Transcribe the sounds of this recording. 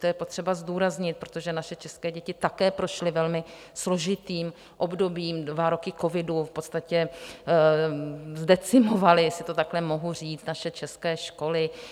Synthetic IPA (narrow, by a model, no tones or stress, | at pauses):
t̪ojɛpot̪r̝̥ɛbazduːɾazɲɪt̪̚pɾot̪oʒɛnaʃɛt͡ʃɛskɛːɟɛcɪt̪akɛːpɾo̞ʃlɪvɛlmɪ | slo̞ʒɪt̪iːm | ʔo̞bdo̞biːmdvaɾo̞kɪko̞vɪdufpo̞t̪st̪acɛ | zdɛt͡sɪmo̞valɪsɪt̪o̞t̪aklɛmo̞ɦur̝iːt͡s̪naʃɛt͡ʃɛskɛːʃko̞lɪ